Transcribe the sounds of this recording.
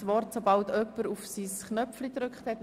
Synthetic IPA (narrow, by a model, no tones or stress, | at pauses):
ʋɔrtsobɑltœpːəɾufsisknœpflidɾʏkχthɛt